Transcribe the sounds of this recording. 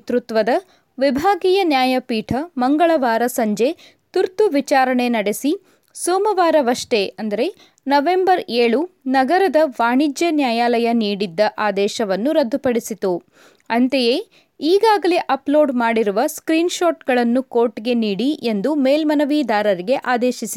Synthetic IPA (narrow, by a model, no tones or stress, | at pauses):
t̪ɾut̪ʋɐd̪ɐ | ʋibʱaːɡijɐnjaːjɐpiːʈʰɐmɐŋɡɐɭɐʋaːɾɐsɐɲd͡ʒe̞ | t̪uɾt̪uʋit͡ʃaːɾɐɳenɐɽesi | soːmɐʋaːɾɐʋɐʂʈe̞ɐnd̪ɐɾe̞ | nɐʋe̞mbɐɾeːɭunɐɡɐɾɐd̪ɐʋaːɳid͡ʒjɐnjaːjaːlɐjɐniːɽid̪ːɐʔaːd̪ɛːʃɐʋɐnːuɾɐd̪ʱːupɐɽisit̪u | ɐnt̪ejeː | iːɡaːɡɐleʔɐplo̞ːɖmaːɽiɾuʋɐskɾiːnʃoːʈɡɐɭɐnːuko̞ːɾʈɡe̞niːɽiʔe̞nd̪umeːlmɐnɐʋiːd̪aːɾɐɾiɡe̞ʔaːd̪ɛːʃisit̪